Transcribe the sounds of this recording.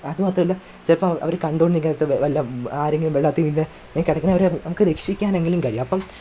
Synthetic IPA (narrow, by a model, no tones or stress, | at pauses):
ɐðumaːt̪rɐmɐlːɐ | t͡ɕɐlɐpːɐmʔɐ̰ʋɐɾekɐɳɖoːɳniŋɡɐɐt̪ːɨʋʋɐlːɐaːɾeŋɡilumʋeɭːaːt̪ːijminːɨ | neːkːɐɽɐkːɐnːɐʋɐɾenɐmukːɨlekʂikʲːaːne̞ŋɡɐɭimkɐɾijumɐpːɐm